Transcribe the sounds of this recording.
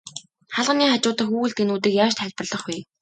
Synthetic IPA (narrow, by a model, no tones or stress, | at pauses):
χaɮʁə̆niːχat͡ɕʊːt̪ə̆χxuːɣɘ̆ɮt̪enuːt̪iːkjaːʃt̪χæɮʲpə̆rɮə̆χwiː